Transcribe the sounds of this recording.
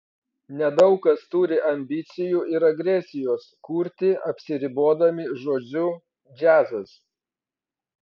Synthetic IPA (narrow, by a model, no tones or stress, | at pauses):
nʲɛd̪ɐʊkɐst̪ʊɾʲɪʔɐmʲbʲɪt̪sʲɪjuːˑɪɾɐɡɾʲɛsʲɪjoːskuːɾʲt̪ʲɪʔɐpʲsʲɪɾʲɪboːd̪ɐmʲɪʒoːd͡ʒʲʊ | d͡ʒʲæːzɐs